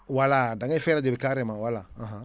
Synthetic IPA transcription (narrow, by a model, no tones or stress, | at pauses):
waladãɡɛfɛɾadebekaɾɛmãwalaãɦã